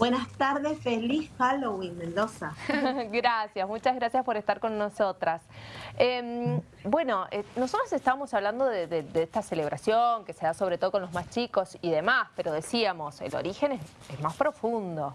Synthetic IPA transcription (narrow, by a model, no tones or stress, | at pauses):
bwenast̪aɾðesfelisxalowimẽnd̪osaɡɾasjasmut͡ʃazɣɾasjaspo̞ɾest̪aɾko̞nːo̞so̞t̪ɾasem | bwe̞no̞ʔenosot̪ɾasest̪aβamo̞saβland̪oðeðed̪eest̪asele̞β̞ɾasjoŋke̞se̞ðaso̞βɾet̪o̞ðokonlo̞zmast͡ʃiko̞siðe̞maspe̞ɾo̞ðe̞siamo̞sḛlo̰ɾixe̞nes | ezmaspɾo̞fund̪o̞